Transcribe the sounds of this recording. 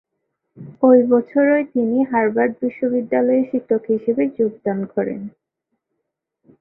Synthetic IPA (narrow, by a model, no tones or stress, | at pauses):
ojbɔt͡ɕʰoɾɔet̪iniɦaɾbaɾɖ̚biʃːobid̪ːalɔeʃit̪ʰːokɦiʃebed͡ʑoɡ̚d̪ankɔɾḛn